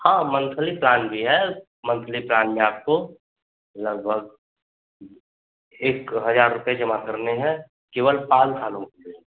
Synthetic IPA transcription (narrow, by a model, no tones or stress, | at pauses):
hãːmə̃nt̪ʰəliplaːnbʱiɦɛ | mə̃nt̪ʰəliplaːnmẽaːp̚ko | ləɡ̚bʱəɡ̚ | eːkɦəd͡ʒaːɾːʊped͡ʒəmakəɾneɦɛ̃ | keːʋəlpaːlɦʰaːlõd̪iɛ̃